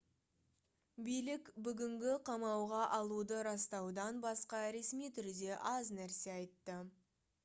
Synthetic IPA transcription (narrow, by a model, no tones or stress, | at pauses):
bijlɪkbʏɡʲɪŋɡʲɪqʰɑmɑwʁɑʔɑlˠud̪əɾɑst̪ɑwd̪ɑnbɑsqɑɾe̞smijt̪ʰʏɾd̪e̞ʔɑznæɾse̞ɑjt̪ːə